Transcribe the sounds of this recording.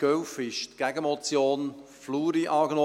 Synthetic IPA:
ɡ̥œwfɪʃt̪ɡ̥æɡəmɔt͡sjoːn | fluːɾiʔɑːɡnɔ

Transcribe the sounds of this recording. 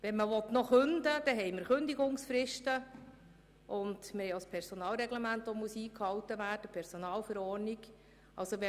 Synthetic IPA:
ʋɛnməʋɔtnɔχɵnd̪əd̥ɛɦɛɪməɾχɵnd̪iɡʊŋsfɾɪʃtə | ʔʊndmɪhɛɪjɑspʰɛɾsonɑːlɾɛɡlɛmæntʋomuəsiːkhɑwtːəʋæːd̥əpʰɛɾsonɑːlfəɾɔːrniɡ | ɑ̰lsoʋɛ

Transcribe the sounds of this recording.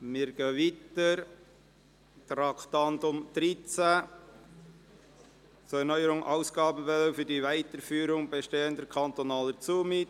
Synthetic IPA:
mɪɾɡ̥œvitəɾ | t̪ɾɑkt̪ɑndʊmd̥ɾit͡sæ | t͡suɛɾnœʏəɾʊŋʔɑʊsɡ̥ɑːbn̩fɛləfyɾdivæɪtəɾfyːɾʊŋbɛʃteːəndəɾkʰɑnt̪onɑːlət͡suːmɪt

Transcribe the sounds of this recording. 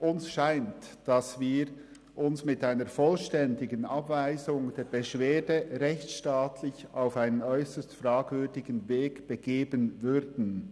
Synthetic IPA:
ʔʊnsʃaɪntd̥ɑsviːɾ | ʔʊnsmɪtaɪnəfɔlʃtɛndɪɡənɑbvaɪzʊŋd̥eːɹbəʃv̥eːdəʁɛçt͡sʃtaːtʰlɪçaʊfaɪnənɔʏsəstfɾaːɡvʏɾdɪɡn̩veːɡb̥əɡeːbənvʏɾdn̩

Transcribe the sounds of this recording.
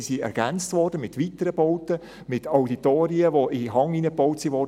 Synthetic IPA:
siɛ̰ɾɡ̥ænt͡stʋɔːrd̥əmɪtʋitəɾəbowtə | mɪtawditoːɾiəʋoɪɦɑŋiːnəpowtsiʋɔ

